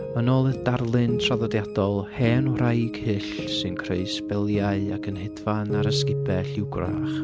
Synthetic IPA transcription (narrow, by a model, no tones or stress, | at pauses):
mənɔlˠədarlˠɨntʰr̥aðɔdjadɔlˠhɛnrajɡ̥hɨɬsɨnkʰreɨsbɛlˠjaɨakʰənhɛdvanaɾəskɪbɛɬɪwɡra̰χ